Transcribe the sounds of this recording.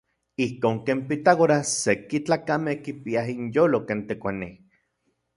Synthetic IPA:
ihkoːŋkeːmpit̪aɣoɾasekit͡ɬaːkamehkipiaɦinjoːlokeːnt̪ekʷani

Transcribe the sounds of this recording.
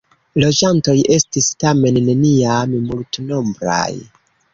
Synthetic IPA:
lo̞d͡ʒanto̞jʔe̞stistame̞nːe̞niammultno̞mbɾa̰j

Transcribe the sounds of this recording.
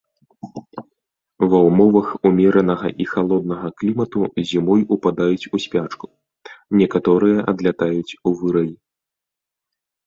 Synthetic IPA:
vɐwmɔvɐxumʲɛɾɐnɐɣɐʔixalˠɔd̪̚nɐɣɐklʲimɐt̪uzʲimɔjupad̪ajut͡sʲusʲpʲat͡ʂku̥ | nʲɛkat̪ɔɾɨjɐʔɐd̪lʲat̪ajut͡sʲuvɨɾɐji

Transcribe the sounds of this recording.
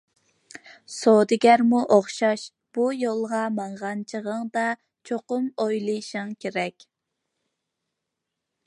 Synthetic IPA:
sod̪ɪɡʲæɾmuʔoχʃɑʃ | b̥ujolˠʁɑmɑɴʁɑnt͡ʃʰəʁəŋd̪ɑ | t͡ʃʰoqʊmojlˠɨjʃɨŋkʲʰeɾɛkʲ

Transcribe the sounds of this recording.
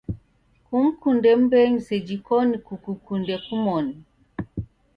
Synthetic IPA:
kum̩kundɛm̩bɛɲisɛd͡ʒikɔnikukukundɛkumɔni

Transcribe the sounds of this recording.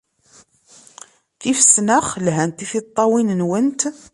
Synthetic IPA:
θifə̥snəχlɦænt̪iθit̪ˤːɑwinənwənt̪

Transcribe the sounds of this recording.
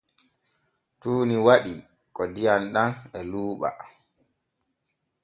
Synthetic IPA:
tuːniwaɗi | kɔdijanɗanɛluːɓa̰

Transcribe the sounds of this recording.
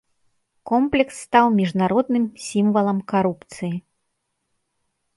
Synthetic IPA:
kɔmplʲɛksːt̪awmʲiʐnaɾɔd̪nɨmsʲimvɐlˠɐmkaɾupt̪sɨji

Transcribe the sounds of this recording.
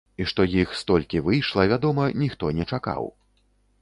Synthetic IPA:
iʂt̪ɔjixst̪ɔlʲkʲivɨjʂlˠɐvʲad̪ɔmɐnʲixt̪ɔnʲɛt͡ʂaka̰w

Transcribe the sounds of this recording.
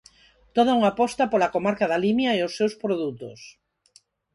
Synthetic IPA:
t̪oð̞auŋapɔst̪apolakomaɾkaðalimjaeosːewspɾoðut̪o̰s

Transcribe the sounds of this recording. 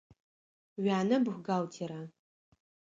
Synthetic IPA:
ɥaːnɐbxʷɡaːwtʰiɾa

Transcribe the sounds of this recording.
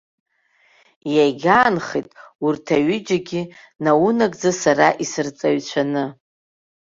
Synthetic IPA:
jajɡʲaːnχejtʼurtʰaɥɪd͡ʒaɡʲɪ | nawunakʼd͡zasaraʔisɨrt͡sʼaɥt͡ɕʷʰanɨ

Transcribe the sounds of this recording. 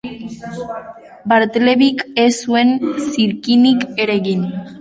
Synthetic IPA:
baɾt̪eleβikesuensiɾkinikeɾeɣin

